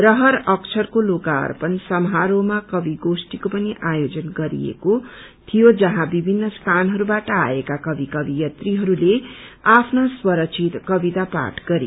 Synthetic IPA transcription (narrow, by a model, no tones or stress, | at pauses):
rʌɦʌɾʌkt͡sʰʌrkoloka̰rpʌnsʌmɦaɾomakʌbiɡosʈikopʌniʔajod͡zʌnɡʌɾḭjḛko | t̪ʰijod͡zʌɦãbibʱinːʌst̪ʰanɦʌɾubaʈʌa̰ekakʌbikʌbijʌt̪riɦʌɾuleapʰnaswʌɾʌk̚t͡sʰit̪kʌbit̪apa̰ʈɡʌɾḭ